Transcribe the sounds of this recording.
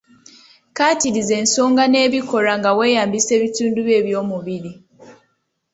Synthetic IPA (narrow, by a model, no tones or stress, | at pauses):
kaːtiɾize̞ːnso̞ːŋɡane̞ːβiko̞ɾaŋɡawe̞ːjaːmbise̞ːβituːnduβje̞ːβjo̞ːmuβiɾi